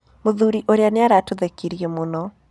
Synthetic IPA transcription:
moðuɾiʔoɾeaneaɾatoðekiɾiemonɔ

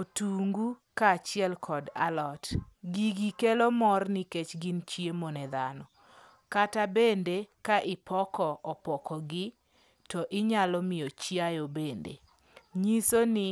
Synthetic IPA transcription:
otuŋɡukat͡ʃɪɛlkʰɔda̰lɔtɡiɡikelomɔrniket͡ʃɡɪnt͡ʃjemonɛd̪anɔ | katabendekaʔɪpʰɔkɔʔɔpɔkɔɡɪ | tɔʔɪɲalɔmɪot͡ʃjajobendḛ | ɲisonɪ

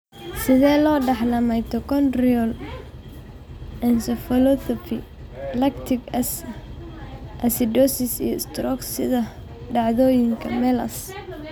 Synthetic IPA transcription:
sɪðɛːlɔːɖɑħlɐmɛjt̪ʰɔkʰɔnriɔl | ɛnsɔfɔlɔθɔpʰi | lɛkt̪ʰɪɡ | ʔɐsɪdɔsɪsḭjɔst̪rɔksɪ̰ðɐ | ɖɑʕðɔːjɪŋkʰɐmɛːlɐ̰s

